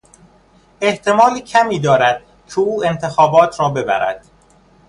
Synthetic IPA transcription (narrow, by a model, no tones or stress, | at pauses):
e̞ht̪ʰe̞mɒːliːcʰæmiːd̪ɒːɾæd̪̥̚ | cʰeuːe̞nt̪ʰe̞xɒːbɒːt̪ʰɾɒːbe̞bæ̰ɾæ̰d̪̥